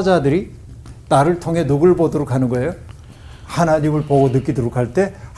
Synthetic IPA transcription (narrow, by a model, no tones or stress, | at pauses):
d͡ʑadɯɾi | taɾɯɭtʰoŋɦe̞noɡɯɭbodoɾokʰanɯnɡʌejo | hanaɲimɯɭpoɡonɯk͈idoɾokʰaɭt͈e̞